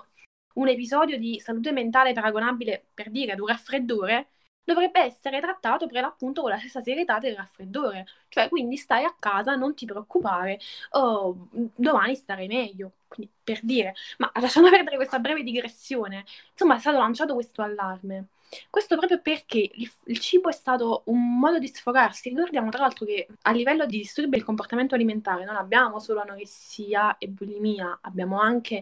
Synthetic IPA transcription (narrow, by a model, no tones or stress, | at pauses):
unepizɔːd̪jod̪isaluːt̪̬ement̪aːlepaɾaɡonaːbileperd̪iːɾead̪urafɾed̪ːoːɾe | d̪ovɾɛbːeɛsːeɾet̪ɾat̪ːaːt̪opɾelːapːunt̪okolast̪esːaseɾjet̪ad̪ːelrafːɾed̪ːoːɾet͡ʃoɛkːwind̪ist̪ajakːaːzanont̪ipɾeokːupaːɾeɔ | d̪omaːnist̪aɾajmɛʎːokwind̪iperd̪iːɾemalːaʃːand̪opɛrd̪eɾekwest̪abɾɛːved̪iɡɾesːjoːnensomːaɛst̪at̪olant͡ʃaːt̪okwest̪oalːarme | kwest̪opɾɔːpɾjoperkeililt͡ʃiːboɛst̪aːt̪oumːɔːd̪od̪isfoɡarsirikord̪jaːmot̪ɾalalt̪ɾokealːivɛlːod̪id̪ist̪urbeilkomport̪ament̪oaliment̪aːɾenonabːjaːmosoːloanoɾesiːaebulimiːaabːjaːmoaŋkʰe